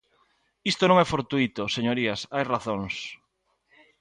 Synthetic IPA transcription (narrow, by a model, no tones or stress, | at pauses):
ist̪onõŋɛfoɾt̪uit̪oseɲoɾiasajraθõŋs